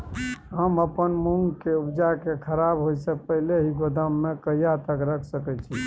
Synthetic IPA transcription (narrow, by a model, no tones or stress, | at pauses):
ɦəməpənmuŋɡkeupd͡ʒakekʰəɾabɦojsẽpəɦileɦiɡod̪əmːekəjat̪əkɾəkʰsəkɛt͡ʃʰi